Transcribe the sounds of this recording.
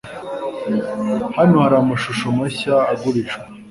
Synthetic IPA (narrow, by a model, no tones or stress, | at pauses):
hanohaɾamaʃuʃomaɕaːɡuɾiʃa